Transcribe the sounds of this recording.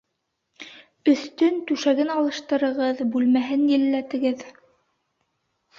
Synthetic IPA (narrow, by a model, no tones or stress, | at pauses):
ɵ̆θt̪ɵnt̪ʉʃæɡɘnɑlˠɤ̆ʃt̪ɤ̆ɾɤ̆ʁɤðbʉlmæɦɘnjɘ̆lːæt̪ɘ̆ɡɘð